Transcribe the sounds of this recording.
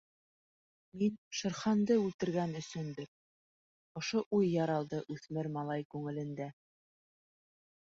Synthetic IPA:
minʃŏɾχɑnd̪ɤʉlt̪ɘ̆ɾɡænɵ̆sɵnbɘk̚ | ŏʃoʔujːɑɾɑlˠd̪ɤʔʉθmɘɾmɑlˠɑjkʉŋɘ̆lɘ̆nd̪æ

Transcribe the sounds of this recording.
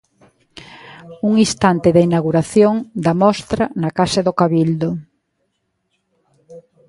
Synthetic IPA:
uŋist̪ant̪ɪðainaɣuɾaθjoŋd̪amɔst̪ɾanakaseðokaβild̪ʊ

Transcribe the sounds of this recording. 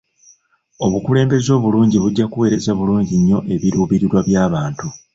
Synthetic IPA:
o̞βukule̞ːmbe̞zo̞ːβuluːɲɟiβuɟːakuwe̞ːɾe̞zaβuluːɲɟiɲːo̞ʔe̞βiɾuːβiɾiɾwaβjaːβaːntu

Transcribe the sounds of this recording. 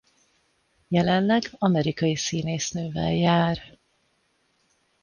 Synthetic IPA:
jɛlɛnlɛɡɒmɛɾikɒjisiːneːsnøːvɛ̰ljaːr

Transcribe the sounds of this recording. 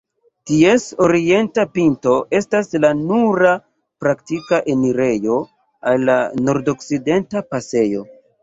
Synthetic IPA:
tie̞so̞ɾie̞ntapinto̞ʔe̞staslanuɾa | pɾaktikaʔe̞niɾe̞jo̞ | a̰lːa̰no̞ɾdo̞kside̞ntapase̞jo̞̰

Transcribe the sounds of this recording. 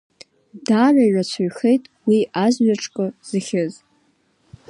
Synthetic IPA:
daraiʕat͡ɕʷʰaɥχejtʼwiazɥaʈ͡ʂʰʼkʼɨz̥ɨχʲɪz

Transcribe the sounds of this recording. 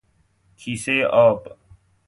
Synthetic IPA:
kʰiːseːʔɔːp

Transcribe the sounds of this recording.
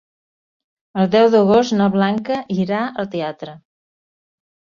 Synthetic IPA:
əlˠd̪ɛwðəɣost̪nəβlaŋkəʔiɾaəlˠt̪eat̪ɾə

